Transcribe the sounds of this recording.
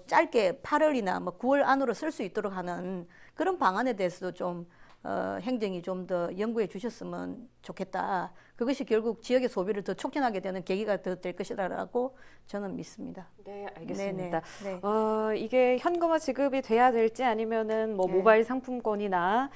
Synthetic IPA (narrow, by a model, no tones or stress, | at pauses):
t͡ɕ͈aɭk͈e̞pʰaɾʌɾina̰mʌkuwʌɭanoɾos͈ʰɯɭs͈uit͈̚oɾok̚ɦanɯnkɯɾʌnpaŋane̞de̞ɦesʰʌd̥ot͡ɕom | ʌ̰ɦeŋd͡ʑeŋit͡ɕomtʌjʌŋɡue̞t͡ɕuɕʰʌs͈ɯmɯnt͡ɕokʰe̞t̚t͈a̰kɯɡʌɕʰikjʌɭɡuk̚t͡ɕijʌɡe̞sʰobiɾɯɭtʌt͡ɕʰok̚t͡ɕʰʌnɦaɡe̞dwenɯnke̞ɡiɡatɯdwe̞ɭk͈ʌɕʰidaɾa̰ɡo | t͡ɕʌnɯnmis͈ɯmɲḭdaneaɭɡene̞nedaneʌiɡe̞çjʌnɡɯmat͡ɕiɡɯbitwe̞jadwe̞ɭt͡ɕ͈iaɲimjʌnɯnmʌmobaiɭsʰaŋpʰumk͈wʌɲina